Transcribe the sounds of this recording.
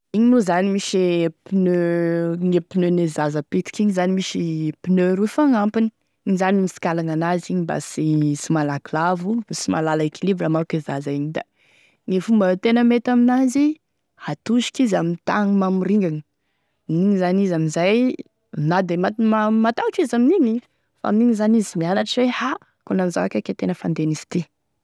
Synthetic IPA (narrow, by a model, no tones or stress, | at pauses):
iɲinuzanimiʃepinøŋepinønezazəpit̪i̥kiɲizanimiʃipinøɾufaŋampini̥ | iɲizanimisi̥kalaŋanaziɲiba̰siisimalaklavusima̰lalaekʰilibɾamaɾkezazaiɲid̪a̰ | nifumbət̪enəmet̪aminazi | hat̪uʃi̥kizamint̪a̰ŋimamiɾiŋɡanə | mniɲizanizaminzaj | nad̪emat̪mamat̪awʈ͡ʂizaminiɲi | fa̰miniɲizanizimianaʈ͡ʂweha | konamizavakʲakʲat̪enəfand̪eniz̥i̥t̪e